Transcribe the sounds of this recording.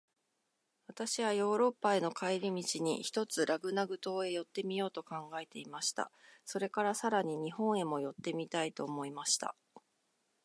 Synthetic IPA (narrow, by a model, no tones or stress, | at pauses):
βat̪aɕiβajo̞ːɾo̞pːae̞no̞kʰaiɾʲimʲit͡ɕiɲ̟ḭçi̥t̪o̞t͡sɨɾʔaɡɯ̟naɡɯ̟t̪o̞ːe̞jo̞t̪ːe̞mʲijo̞ːt̪o̞kãŋɡae̞t̪e̞imaɕi̥t̪a̰so̞ɾe̞kaɾasaɾaɲ̟iɲ̟iɦõ̞ɰ̃e̞mo̞jo̞t̪ːe̞mʲit̪ait̪o̞ːmo̞imaɕi̥t̪a̰